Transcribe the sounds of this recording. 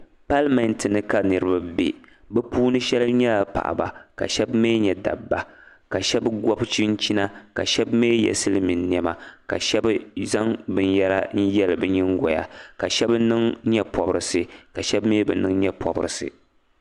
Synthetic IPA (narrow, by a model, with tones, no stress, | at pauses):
pa˦lmɛ˨ntɨ˨nɨ˦ka˦nɨ˦ɾɨ˦ba˦bḛ˨ | bɛ˦puː˦nɨ˦ʃɛ˦lɨ˦ɲɛ˦la˨pa̰˨ʔa̰˨ba̰˨ka̰˨ʃɛ˦bme˦ɲɛ˨da̰˨bːa˨ | ka˨ʃɛ˦bɡɔ˦bt͡ʃi˦n̩˦t͡ʃi˦na˦ka̰˨ʃɛ˦bme˦jɛ̰˨sɨ˦lɨ˦mi˨nː˦˨ɛ˦ma˨ka̰˨ʃɛ˦bza˦ŋbɨ˦njɛ˦la˦n̩˦jɛ˦lɨ˨bɨ˦ɲɪ˦ŋɡɔ˨ja̰˨ka˨ʃɛ˦bnɨ˦ŋɲɛ˦pʰɔ˨bɨ˦ɾɨ˨sɨ˨ka˨ʃɛ˦bmeː˦bɨ̰˨nɨ˦ŋ˦ɲɛ˦pʰɔ˨bɨ̰˦ɾɨ˨sɨ̰˨